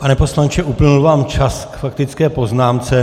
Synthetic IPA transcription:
panɛpo̞slant͡ʃɛʔuplɪnulvaːmt͡ʃaskfak̚t̪ɪt͡skɛːpo̞znaːmt͡sɛ

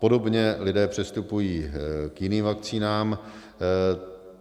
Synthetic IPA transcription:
po̞do̞bɲɛlɪdɛːpr̝̥ɛst̪upujiːkjɪniːmvak̚t͡siːnaːm

